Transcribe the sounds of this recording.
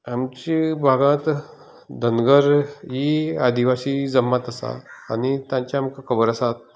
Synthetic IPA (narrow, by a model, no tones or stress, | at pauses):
amt͡ɕibʱaɡãt̪ | d̪ʱənɡəɾɦiad̪iʋasiːd͡zəmːat̪əsa̰añit̪jãɲt͡ɕjamkakʰəbəɾəsat̪̚